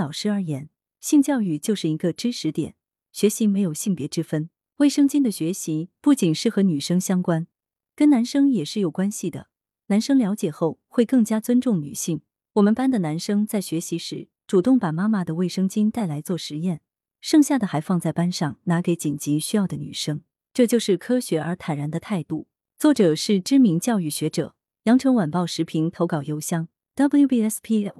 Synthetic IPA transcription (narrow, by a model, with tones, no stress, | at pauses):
lɑ˨˩ʊʂɻ̩˥ə˞˧˥jɛ˧˥n | ɕi˥˧ŋt͡ɕjɑ˥˧ʊy˥˩t͡ɕjo˥˧ʊʂɻ̩˥˩i˧˥ɡə˧ʈ͡ʂɻ̩˥ʂɻ̩˧˥t̪jɛ̰˨˩˦n | ɕɥɛ˧˥ɕi˧˥me˧˥ɪjo˨˩ʊɕi˥˩ŋpjɛ˧˥ʈ͡ʂɻ̩˥fə˥n | we˥˩ɪʂɤ˥ŋt͡ɕi˥nd̪ə˨ɕɥɛ˧˥ɕi˧˥pu˥˩t͡ɕi˨˩nʂɻ̩˥˩xɤ˧˥ny˨˩ʂɤ˥ŋɕjɑ˥ŋkwa˥n | kə˥nna˧˥nʂɤ˥ŋjɛ˨˩ʂɻ̩˥˩jo˨˩ʊkwa˥nɕi˨˩d̪ə̰˩ | na˧˥nʂɤ˥ŋljɑ˧˥ʊ̯t͡ɕjɛ˨˩xo˥˧ʊxwe˥˧ɪkɤ˥˩ŋt͡ɕja˥t͡swə˥nʈ͡ʂʊ˥˩ŋny̰˨˩ɕi˥˩ŋ | wɔ˨˩mə˦npa˥nd̪ə˨na˧˥nʂɤ˥ŋt͡sa˥˩ɪɕɥɛ˧˥ɕi˧˥ʂɻ̩˧˥ | ʈ͡ʂu˨˩t̪ʊ˥˩ŋpa˨˩ma˥ma˨d̪ə˩we˥˩ɪʂɤ˥ŋt͡ɕi˥nt̪a˥˩ɪla˧˥ɪt͡swɔ˥˩ʂɻ̩˧˥jɛ˥˩n | ʂɤ˥˧ŋɕja˥˩d̪ə˩xa˧˥ɪfɑ˥˧ŋt͡sa˥˩ɪpa˥nʂɑ˥˩ŋna˧˥ke˧˥ɪt͡ɕi˨˩nt͡ɕi˧˥ɕy˥jɑ˥˩ʊd̪ə˩ny̰˨˩ʂɤ˥ŋ | ʈ͡ʂɤ˥˧t͡ɕjo˥˧ʊʂɻ̩˥˩kʰɤ˥ɕɥɛ˧˥ʔə˞˧˥t̪ʰa˨˩nɻa˧˥nd̪ə˧t̪ʰa˥˧ɪt̪u˥˩ | t͡swɔ˥˩ʈ͡ʂɤ˨˩ʂɻ̩˥˩ʈ͡ʂɻ̩˥mi˧˥ŋt͡ɕjɑ˥˧ʊy˥˩ɕɥɛ˧˥ʈ͡ʂɤ̰˨˩˦ | jɑ˧˥ŋʈ͡ʂʰɤ˧˥ŋwa˨˩npɑ˥˩ʊʂɻ̩˧˥pʰi˧˥ŋt̪ʰo˧˥ʊkɑ˨˩ʊjo˥ʊɕjɑ˥ŋ | t̪a˥blu˥bi˥ɛ˥spʰi˥